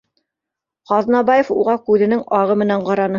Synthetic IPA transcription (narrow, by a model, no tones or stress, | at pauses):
qɑðnɑbɑjefṵʁɑkʉðɘ̆nɘŋɑʁɤmɘ̆næɴqɑɾɑnɤ